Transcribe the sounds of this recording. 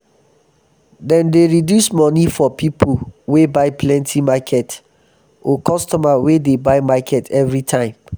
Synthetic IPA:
dɛ̃ndeɹidjusmɔnifɔpipʰuwebaɪpʰlɛ̃ntʰĩmakʰɛt | ɔkɔstɔmawedebaɪmakʰɛtʰɛvɹitʰãɪ̃m

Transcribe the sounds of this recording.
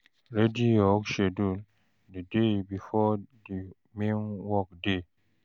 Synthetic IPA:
ɾedijɔkʃedul | dedebifɔdi | mẽnwɔk̚de

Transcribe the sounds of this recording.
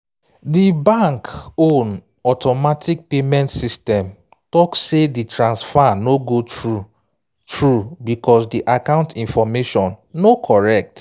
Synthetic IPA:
dibãŋkõn | ɔtɔmatik̚pemɛ̃ntsistɛ̃m | tɔkseditɹãnsfanoɡotɹu | tɹubikɔsdiʔakãʊ̃ntĩnfɔmeʃɔ̃nːokʰɔɹɛk̚t

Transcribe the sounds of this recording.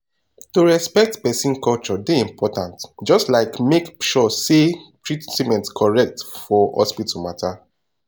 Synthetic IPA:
tuɹɛspɛk̚tpɛsĩnkɔlt͡ʃɔdeĩmpʰɔtãntd͡ʒɔstlaɪkmekʃɔsetɹitsimɛ̃ntskʰɔɹɛk̚tfɔhɔ̰spitʰumatʰa

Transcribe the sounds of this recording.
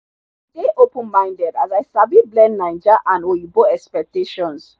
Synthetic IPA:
deʔopə̃nmãj̃ndɛdazajsabiblɛ̃nːãjnd͡ʒaʔãnojiboɛkspɛk̚teʃɔ̃ns

